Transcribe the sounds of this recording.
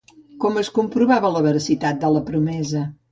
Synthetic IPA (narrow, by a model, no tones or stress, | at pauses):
kɔməskumpɾuβaβələβəɾəsit̪at̪̚d̪ələpɾumɛzə